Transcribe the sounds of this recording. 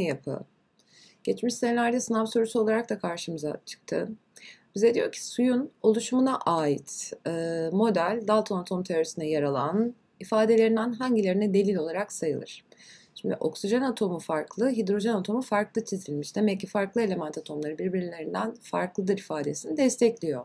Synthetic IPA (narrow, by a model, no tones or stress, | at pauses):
japʰɯ̰ | ɟ̥ɛt͡ʃmiʃsenaɾijasɯnavsoɾysɯo̞lˠaɾak̚t̪akʰaɾʃɯmɯza̰t͡ʃʰɯ̥k̚t̪ʰɯ̰ | b̥izɛd̪ijo̞ɾcʰi̥sujuno̞lˠuʃmunaʔaːjit̪ː | mo̞d̪ælʲd̪alˠt̪ʰonat̪ʰo̞mt̪ʰeɾoɾisinɛjaɾalˠa̰n | ifaːd̪e̞lʲe̞ɾind̪ænɦaɲɟilʲe̞ɾinɛd̪e̞lʲilʲo̞lˠaɾaksajɯ̰lˠɯ̰ɾ̥t͡ʃʰimd̪iʔo̞ksiʒɛnat̪ʰo̞mufaɾklˠɯɦid̪ɾo̞ʒɛnat̪ʰo̞mufaɾklˠɯt͡ʃʰezʰilʲmiʃd̪emɛlʲcʰifaɾklˠɯe̞lʲe̞mænt̪ʰat̪ʰo̞mlˠaɾɯbiɾbiɾilʲe̞ɾind̪ænfa̰ɾklˠɯd̪ɯɾifaːd̪e̞sinid̪ɛst̪ʰɛclʲijo̞̰